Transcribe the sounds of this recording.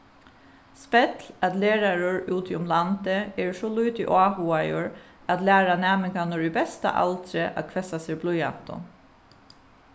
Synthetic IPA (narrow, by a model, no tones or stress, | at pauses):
spɛt̪lat̪leːɹaɹʊɹʉːt̪ʰɪʊmlant̪əɛɹʂɔluːt̪ɪʔaːhuːajʊɹ | at̪læːɾanæːmɪŋkanɔɹibɛst̪a̰ʔa̰lt̪ɾɪʔa̰ðkʰʋɛsaseːblʊja̰n̥t̪ʊ̰n